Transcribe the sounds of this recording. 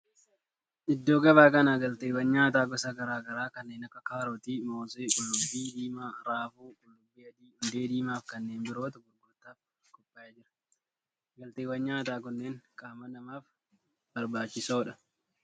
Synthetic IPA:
ʔɪd̪ːoːɡɐbaːkɐnaːɡɐlt̪eːwɐɲɲaːt̪aːɡɔsaɡɐɾaːɡɐɾaːkɐnːeːnɐkːɐkaːɾoːt̪iːmoːsekʼʊlːʊbːiːd̪iːmaːɾaːfuːkʼʊlːʊbːɪjɐd̪iːhʊnd̪e̞ːd̪iːmaːfkɐnːeːnbɪɾo̞ːt̪ɐɡʊɾɡʊɾt̪aːf | kɔpʼːaːjɐd͡ʒɪɾɐ̥ | ɡɐlt̪eːwɐɲɲaːt̪aːkʊnːeːŋkʼaːmɐnɐmaːf | b̥ɐɾbaːt͡ʃːɪsoːᶑɐ

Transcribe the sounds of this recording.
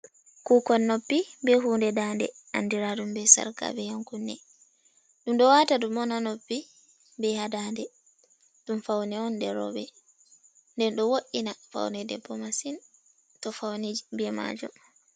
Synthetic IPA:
kukɔnːopːibɛɦuːndɛdandɛ̰ | ʔandiɾadumbɛsa̰ɾka̰bɛjaŋkunːɛ | ɗumɗɔwatadumɔnanopːi | mbɛhadaːndɛ | ɗumfawnɛɔndɛɾɔ̰bɛ | ndɛnɗɔwoʔːinafa̰wnɛdɛ̰pːɔmasin | tɔfawnid͡ʒibɛma̰d͡ʒɔ̰m

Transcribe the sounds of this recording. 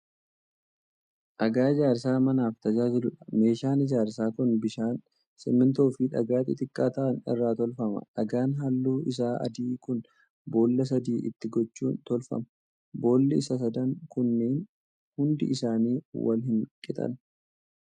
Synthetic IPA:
ʔɐɡaːɪd͡ʒaːɾs̬aːmɐnaːft̪ɐd͡ʒaːd͡ʒɪlʊᶑɐ̥me̞ːʃaːnɪd͡ʒaːɾsaːkʊnbɪʃaːn | sɪmɪnt̪o̞ːfɪᶑɐ̰ɡaːt̪ʼɪt̪ʼɪkʼːaːt̪ɐʔɐnɪ̰rːaːt̪ɔlfɐmɐ̰ᶑɐɡaːnɦɐlːuːʔɪs̬aːʔɐ̰d̪iːkʊn | bo̞ːlːɐs̬ɐd̪iːʔɪ̰t̪ːɪɡɔt͡ʃːṵːnt̪ɔlfɐ̰mɐ | bo̞ːlːɪɪsɐs̬ɐd̪ɐŋkʊnːeːn | hʊnd̪ɪ̰ʔɪsaːniːwɐ̰lhɪnkʼɪt̪ʼɐ̰n

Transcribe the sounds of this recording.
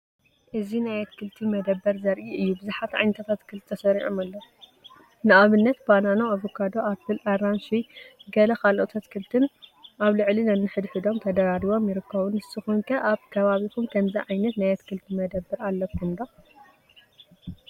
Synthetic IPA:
ʔɨzinajɛt̪kʰɨlt̪ʰimɐd̪ɐbːɐɾzɐɾʔiʔɨjːubɨzuħat̪ʕa̰jnɐt̪ʰat̪ʰat̪kʰɨlt̪t̪ʰɐsɐɾiʕomalːɐ | nɨʔaβɨnːɐt̪bananaaβokʰad̪oʔafɨlʔaɾanʃiɡɐlɐkalʔot̪ʰɐt̪kʰɨlt̪ʰɨnʔaβlɨʕlinɐnːɨħɨd̪ħɨd̪o̞mt̪ʰɐd̪ɐɾaɾiβo̞mjɪɾɨkʰːɐβɨnɨst̪ɨxunkʰɐʔaβkʰɐβaβikʰumkʰɐmziʕajnɐt̪najɛt̪kʰɨlt̪ʰimɐd̪ɐbːɨɾalːɐkʰɨnd̪a

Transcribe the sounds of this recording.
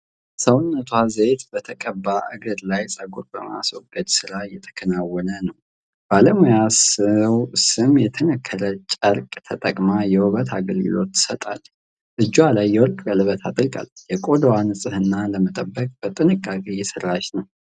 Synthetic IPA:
səwʊnːət̪ʰwazet̪bət̪ʰəkʼəbːaʔɨɡəɾlajsʼəɡuɾbəma̰swɔɡəd̪sɨɾajɛt̪ʰə̥kʰənawːɔnənəw | b̥aləmujasəwsɨmjɛt̪ʰənəkʰːəɾət͡ʃʼəɾkʼt̪ʰət̪ʼəkʼmajɛwɔβət̪ʰaɡəlɡɨ̰lo̞t̪ːɨ̥sət̪ʼa̰l | ʔɨd͡ʒːwalajːɛwɔɾkʼbəlɨβət̪ʰat̪ʼɨɾkʼa̰ljɛkʼo̞d̪wanɨsʼɨhɨnːaləmət̪ʼəbːəkʼb̥ət̪ʼɨnɨkʼːakʼejɛsɨrːat͡ʃnəw

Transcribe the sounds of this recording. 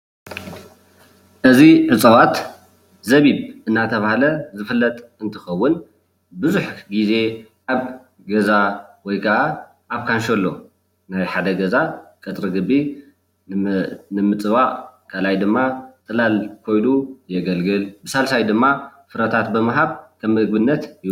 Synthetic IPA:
ʔɨziʕɨt͡sʼɐwat̪ | zɐβiβʔɨnːat̪ʰɐβahlɐzɨfɨlːɐt̪ʼɨnt̪ʰɨxɐwːʊn | bɨzuħɡize̞ʔaβ | ɡɐzawɔjkʰɐʔa | ʔaβkʰanʃolːo̞ | najħad̪ɐɡɐzakʼɐt̪ʼɾɨɡɨbːi | nɨmɨt͡sʼɨβaʔʼkʰʼalajd̪ɨmːat̪ʼɨlalkʰo̞jnujɛɡɐlɡɨlbɨsalsajd̪ɨmːafɨɾɐt̪ʰat̪̚bɨmɨɦaβkʰɐmːɨɡ̚bɨnːɐt̪j

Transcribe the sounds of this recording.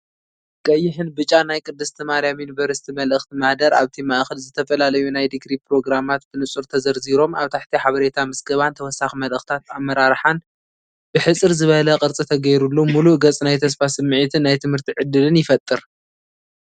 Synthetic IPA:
kʼɐjːɪħɨnbɨt͡ʃʼːanajkʼɨd̪ːɨst̪ʰɨmaɾjamjunibɐɾɨst̪ʰimɐlʔɨxt̪ʰimad̪ɐɾʔa̰βt̪ʰimaʔxɨlzɨt̪ʰɐfɐlalɐjunajd̪ɨɡɾipɾo̞ɡɾamat̪b̥ɨnɨt͡sʼuɾt̪ʰɐzɐɾziɾo̞mʔaβt̪ʰaħt̪ʰiħaβɐɾe̞t̪ʰamɨsɡɐβant̪ʰɐwɔsːaximɐlʔɨxt̪ʰat̪amːɐɾaɾħan | b̥ɨħɨt͡sʼɨɾzɨβɐlɐkʼɨɾt͡sʼit̪ʰɐɡɐjɾulːumuluʔɡɐt͡sʼnajt̪ʰɐs̬fasɨmːɨʕit̪ʰɨnːajt̪ʰɨmhɨɾt̪ʰiʕɨd̪ːɨlɨnjɪfɐt̪ʼːɨɾ

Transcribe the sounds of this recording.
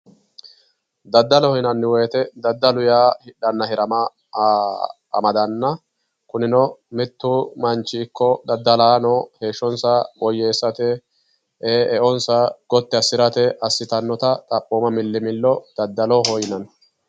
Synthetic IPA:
d̪ɐd̪ːɐlɔhɔjnɐnːɪwɔjːt̪ɛd̪ɐd̪ːɐlʊjaːhɪᶑɐnːɐhɪɾɐmɐ | ɐ̰mɐd̪ɐnːɐ | kʊnɪnɔmɪt̪ːumɐnt͡ʃːiːkːɔd̪ɐd̪ːɐlaːnɔhe̞ːʃːɔnsɐbɔjːeːsːɐt̪ɛ | ɛʔɔnsɐɡ̥ɔt̪ːɪɐsɪɾɐt̪ɛʔɐsːɪt̪ɐnːɔt̪ɐt̪ʼɐpʼːoːmɐmɪlːɪmɪlːɔd̪̥ɐd̪ːɐlɔɦɔjnɐn

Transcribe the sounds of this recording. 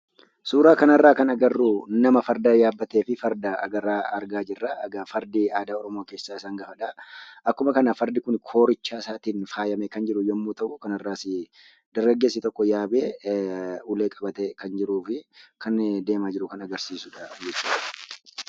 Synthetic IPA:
suːɾaːkɐnɐrːaːkɐnɐɡɐrːuːnɐmɐfɐɾd̪ɐjaːbːɐt̪eːfɪfɐɾd̪ɐɐ̰ɡɐɾaːɐɾɡaːd͡ʒɪrːaɐɡɐfɐɾd̪ɪaːd̪aːɔɾɔmoːke̞ːsːaːɪsaːŋɡɐfɐᶑaʔɐkːʊmɐkɐnafɐɾd̪ɪkʊnkʰo̞ːɾɪt͡ʃːaːɪsaːt̪iːnfaːjɐmekɐnd͡ʒɪɾʊjɔmːuːt̪ɐʔʊkɐnɐrːaːsɪ | d̪ɐɾɡɐɡːe̞ːsːɪt̪ɔkːɔjaːbeː | ʊleːkʼɐbɐt̪ɛkɐnd͡ʒɪɾuːfɪkɐnd̪e̞ːmaːd͡ʒɪɾʊkɐnɐɡɐɾsiːsʊᶑɐd͡ʒɛt͡ʃːu̥ːᶑɐ̥

